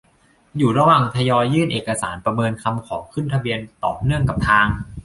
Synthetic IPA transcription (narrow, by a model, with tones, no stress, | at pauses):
juː˨˩ɾa˧waː˨˩ŋt̪ʰa˧jɔː˧jːɯː˥˩nʔeː˨˩kːa˧saː˩˦npɾa˧mɤː˧nkʰa˧mkʰɔː˩˦ŋkʰɯ˥˩nt̪ʰa˧bi˧ənt̪ɔ̰ː˨˩p̚nɯ˥˩əŋka˨˩p̚t̪ʰaː˧ŋ